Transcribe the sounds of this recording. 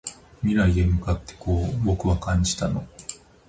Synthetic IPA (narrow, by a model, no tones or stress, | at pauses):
mʲiɾaid̪e̞mɯ̟kat̪ːe̥koːbo̞kɯ̟βakãɲ̟d͡ʑi̥t̪ano̞